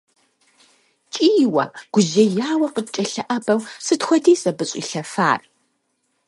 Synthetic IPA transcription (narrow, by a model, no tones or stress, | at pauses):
t͡ʃʼiːwɐ̰ɡ̥ʷʊʑɐjaːwɐqəd̚t͡ʃʼɐɬɐʔɐbɐwsɨtxʷɔdʰiːsɐbɨɕʼḭɬɐfa̰ːr